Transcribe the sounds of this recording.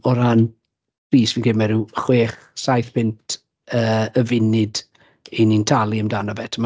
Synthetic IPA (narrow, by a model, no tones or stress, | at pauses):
ɔɾan | pʰriːsvinkʰeːmɛɾuχweːχ | sajθpʰɪntʰ | əːəvɪnɪd | inintʰalˠiəmdanabɛtʰəma